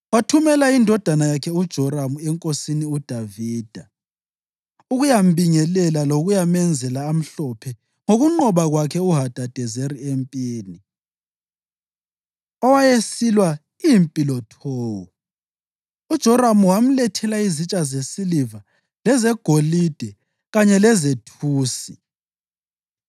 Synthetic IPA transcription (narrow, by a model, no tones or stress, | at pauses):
watʰumɛlaindʱɔd̥ʱanajakʰɛud̥ʒ̥ʱɔɾamuɛŋkʼosiniud̥ʱaviːd̥ʱa | uɣujambʱiŋɛlɛlaloɣujamɛnd͡zʱɛlaːm̩ɬɔpʰɛ | ŋoɣuŋ͡ǃɔβaɣwakʰɛuɦad̥ʱad̥ʱɛzeɾiempʼiːni | ɔwajesilwa | impʼilɔtʰɔːwɔ | ud̥ʒ̥ʱɔɾamuwam̩lɛtʰɛlaizit͡ʃʼazesiliva | lɛzɛɡ̥ʱolid̥ʱɛ | ɣaɲɛlɛzetʰuːsi